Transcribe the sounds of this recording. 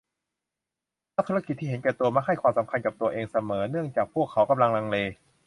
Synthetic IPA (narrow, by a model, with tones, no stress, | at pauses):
aː˥˩t̪ʰu˦˥a˧ki˨˩t̪ʰːiː˥˩he˩˦nkɛː˨˩t̪u˧ɐma˥k̚ɦa˥˩jkʰwaː˧msa˩˦mkʰa˧nka˨˩p̚t̪u˧ɐʔeː˧ŋsa˧mɤː˩˦nɯ˥˩əŋt͡ɕaː˨˩k̚pʰu˥˩kʰːa˩˦wka˧mla˧ŋla˧ŋleː˧